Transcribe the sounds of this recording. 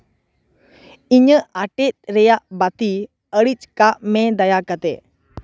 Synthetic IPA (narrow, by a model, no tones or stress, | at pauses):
iɲəaʈɛt̪̚ˀɾɛjaʔbat̪i | əɽit͡ʃkaʔmɛd̪ajakat̪ɛ̰